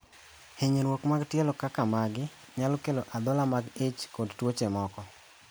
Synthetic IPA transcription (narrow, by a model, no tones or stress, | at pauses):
heɲeɾwokmaɡtjɛlɔkakamaɡɪ | ɲalɔkeloʔad̪ɔlamaɡet͡ʃkɔdtwot͡ʃemɔkɔ